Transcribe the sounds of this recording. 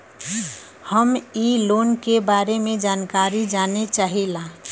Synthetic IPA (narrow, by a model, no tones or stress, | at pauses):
həmiloːnkebaːɾemẽd͡ʒaːnkaːɾid͡ʒaːnet͡ʃaːɦila